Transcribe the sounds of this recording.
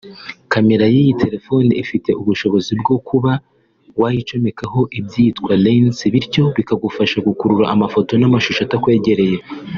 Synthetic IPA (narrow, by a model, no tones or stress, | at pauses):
kame̞ɾajijitʰe̞ɾe̞fo̞niifite̞ʔuβuʃo̞βo̞zibɡo̞kʰuβa | wajit͡ʃomekaho̞ʔib̚ɟitkwalensiβiɾɟo̞βikaɡufaʃaɡukuɾuɾaʔamafo̞to̞namaʃuʃatakwe̞ːɟe̞ɾe̞je̞